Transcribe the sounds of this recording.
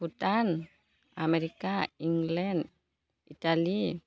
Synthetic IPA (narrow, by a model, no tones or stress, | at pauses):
ut̪an | amɛɾikaiŋɡlɛnd | it̪ali